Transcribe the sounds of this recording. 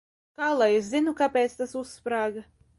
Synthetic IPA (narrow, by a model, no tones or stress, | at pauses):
kaːlˠajeszinukapʲeːt̪st̪asusːpɾaːɡa